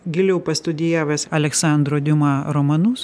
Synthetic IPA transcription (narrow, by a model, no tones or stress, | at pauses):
ɡʲɪlʲɛʊpɐst̪ʊd̪ʲɪjæːʋʲɐsɐlʲɛksɑˑnd̪ɾoːd̪ʲɪmɑɾoːmɐnus